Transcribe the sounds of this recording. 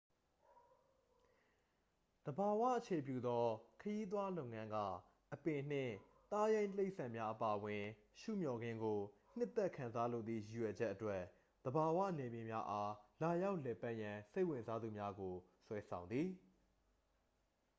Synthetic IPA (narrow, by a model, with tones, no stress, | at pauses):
d̪̥əba˨wä̰˦˨ʔət͡ɕʰe˨p̬jṵ˦˨d̪ɔ˦kʰəji˦t̪̬wa˦lõ˦˨ʊ̃˨ŋã˦ŋɡä̰˦˨ | ʔəpɪ̃˨n̥ɪ̰̃˦˨ | t̪a˦jẽ˦ɪ̃t̪əle˦ɪʔsã˨mja˦ʔəpa˨ʔəwɪ̃˨ | ʃṵ˦˨mjɔ˨ɡɪ̃˦ŋɡo˨n̥ɪ˦t̪ːɛ˦ʔkʰã˨nza˦lo̰˨d̪ðḭ˦˨ju˨jɥɛ˨d͡ʑɛ˦ʔːətwɛ˦ | d̪̥əba˨wa̰˦˨nɛ˨mjɪ˨mja̰˦ʔa˦la˨ja˦ʊʔlɛ˨pa˦ʔjã˨se˦ɪ˨wɪ̃˨nza˦d̪u˨mja˦ɡo˨swɛ˦sʰã˨ʊ̃nd̪ði˨